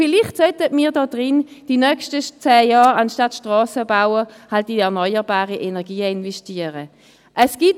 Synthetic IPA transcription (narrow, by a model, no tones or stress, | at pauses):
fɪlɪχtsœtətmiːɐdɔːd̥ʁɪnd̥inœkʃtət͡sɛːjaːʁɑnʃtatʃtʁɑːsəbawəhaltiɛɐnɔʏəʁbaːʁiʔɛnɛɐɡiːəɪnvɛstiːəʁə | ʔɛsɡ̥it